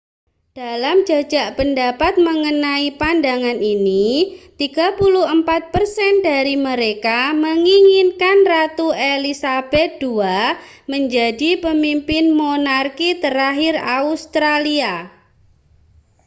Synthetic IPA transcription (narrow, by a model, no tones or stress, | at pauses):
d̥alamd͡ʒḁd͡ʒaʔpəndapat̪̚məŋənaipandaŋaninit̪iɡ̥a̤puluɦəmpat̪̚pərsɛndaɾiməɾekaməŋiŋinkanrat̪uelisab̥ɛt̪̚d̥ua | məɲd͡ʒadipəmimpɪnmonarkit̪əɾaɦɪraust̪ɾalia